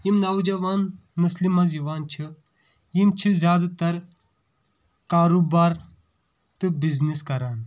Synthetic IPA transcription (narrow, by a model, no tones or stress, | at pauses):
jimnɐwd͡ʒɐʋaːn | muslimɐ̃ziʋaːnt͡ʃʰi | jimt͡ʃʰizʲjaːd̪at̪ɐɾ | kaːɾuːbaːɾ | t̪ɨbizniskɐɾaːn